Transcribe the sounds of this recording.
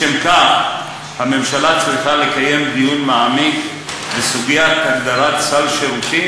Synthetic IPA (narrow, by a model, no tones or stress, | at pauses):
emka | hame̞mʃalat͡sliχale̞kaje̞md̪ijunmaʕamiɡ | besuɡijat̪haɡd̪aʁat̪salʃeʁut̪i